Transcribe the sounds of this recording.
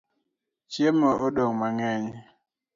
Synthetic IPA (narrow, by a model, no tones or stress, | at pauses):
t͡ʃjemɔʔoɗɔŋmaŋɛɲ